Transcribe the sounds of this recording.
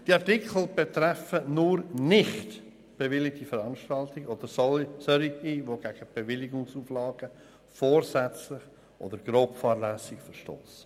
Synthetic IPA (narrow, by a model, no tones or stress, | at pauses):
d̥iɑɾtɪkʰl̩ˠb̥ɛt̪ɾɛfənʊɾnɪχt | b̥evɪlɪtifəɾɑnʃtɑltɪɡod̥̪əɾsɔsœɾiiʋoɡ̥æɡ̥əb̥evɪlɪɡʊŋsuːflɑːɡ̥ə | fɔːɾsɛt͡slɪχ | ʔo̰dəɾɡ̥ɾoːpfɑːɾlæsɪɡfəɾʃto̰ːs